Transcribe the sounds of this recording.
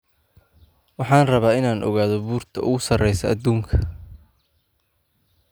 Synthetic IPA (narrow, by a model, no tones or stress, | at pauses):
wɑħɑːnrɐβaːɪnaːnʔɔ̰ɣaːðɔbuːrt̪ʰɐʊɣʊsɐrɛjsɐʔɐd̪uːŋkʰɐ̥